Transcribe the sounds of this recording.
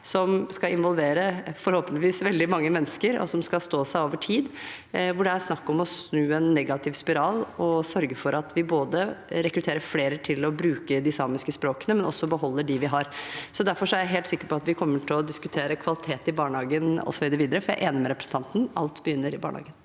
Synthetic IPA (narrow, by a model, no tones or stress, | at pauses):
sɔmskɑɪnʋɔlʋeːɾəfɔɾhoːpənɪʋiːsʋɛld̪ɪmɑŋːəmɛnːəskəɾɔ̰sɔmskɑlst̪oːsæɪoːʋəʈʰiːd̪ | ʋʊɖɛæɾsnɑkːɔmɔsnʉːɛnːɛɡɑt̪ʰɪʋspɪɾɑːlɔsœɾɡəfɔɾɑt̪ʰʋɪboːd̪əɾɛkɾʉt̪ʰeːɾəfleːɾəʈʰɪlɔbɾʉːkəd̪ɪsɑːmɪskəspɾoːkənəmɛnɔ̰sːɔbəɦɔlːəɖɪʋɪɦɑɾsɔd̪æɾfɔʂɔæɾjæɪɦeːlt̪sɪkːəɾpɔɑt̪ʋɪkʰɔmːəʈʰɪlɔd̪ɪskʉt̪ʰeːɾəkʰʋɑlɪt̪ʰeːt̪ɪbɑːɳəhɑːɡənɔ̰sːɔʋiːd̪ɾʋiːd̪əɾəfɔɾjæ̰ɪʔeːnəmɛɾɛpɾə̥sn̩t̪ʰɑnt̪n̩ʔɑlt̪bəjʏnːəɾɪbɑ̰ːɳəhɑ̰ːɡən